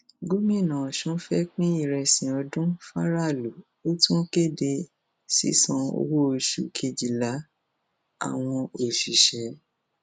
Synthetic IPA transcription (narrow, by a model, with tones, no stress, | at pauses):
ɡu˦mĩ˦˨nã˨ɔ˨ʃũ˨˦fɛ˦k͡pĩ˦i˦˨ɾɛ˧sĩ˨ɔ˧dũ˦fa˦ɾa˦˨lu˨ | o˦tũ˦ke˦˨de˧ | sḭ˨˦sɔ̃˧o̰˧wo˦o˨ʃu˨kʰe˧d͡ʒi˨la˨˦ | a̰˦˨w̃ɔ̃˧o˨ʃi˨ʃɛ˨˦